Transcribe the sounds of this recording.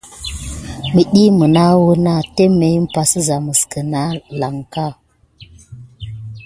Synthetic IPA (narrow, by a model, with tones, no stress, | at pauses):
ɓi˨ɗi˦mə˨na˦wu˦na˦te˦mːe˨jm̩˦pa˨sə˦za˨mə˨skə˨na˦la˨ŋka˦